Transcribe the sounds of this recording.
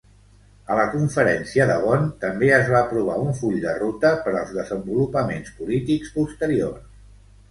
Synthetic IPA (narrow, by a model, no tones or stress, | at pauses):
ələkuɱfəɾɛnsiəðəβɔnt̪əmbeəzβaəpɾuβ̞a̰uɱfuʎd̪ərut̪əpəɾəlˠzðəzəmbulupəmenspulit̪ikspust̪əɾios